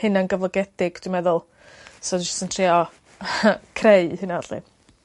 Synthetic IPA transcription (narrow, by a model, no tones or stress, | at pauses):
hɨnanɡəvlˠɔɡɛd̥ɪɡd̥wijmɛðʊlˠ | sɔd͡ʒʊstəntʰriɔ | kʰrejhɨnaɔɬḭ